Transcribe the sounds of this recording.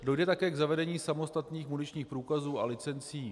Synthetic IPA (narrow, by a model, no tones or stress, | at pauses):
do̞jdɛt̪akɛːɡzavɛdɛɲiːsamo̞st̪at̪niːxmunɪt͡ʃɲiːxpɾuːkazuːalɪt͡sɛnt͡siː